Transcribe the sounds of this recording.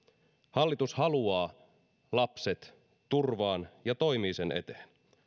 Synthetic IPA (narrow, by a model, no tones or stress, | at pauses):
hɑlːit̪ushɑluɑː | lɑpset̪ː | urʋɑːnjɑt̪o̞jmiːsenʔe̞̰t̪e̥ːn